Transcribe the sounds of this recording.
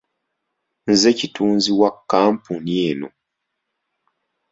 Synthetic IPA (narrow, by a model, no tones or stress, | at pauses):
n̩zecituːnziwakːaːmpunjeno̰